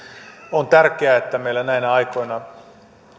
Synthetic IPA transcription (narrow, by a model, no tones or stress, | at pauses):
ont̪ærkeæet̪ːæmeilːænæinæɑjko̞jnɑ